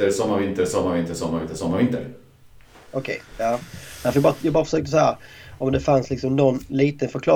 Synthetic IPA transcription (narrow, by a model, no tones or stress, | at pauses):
əɾsɔmːaɾvɪnt̪əɾsɔmːaɾvɪnt̪əsɔmːaɾvɪnt̪əsɔmːaɾvɪnt̪əɾ | ɔkʰɛjjɑːnɛnfɾjbɑːɾjɑɡbɑːɾafœ̥ʂøːk̚t̪əs̬ɔhæːɾɔmd̪ɛfanslɪksɔmnɔnːliːt̪ənfœɾkʰlɑ̰ː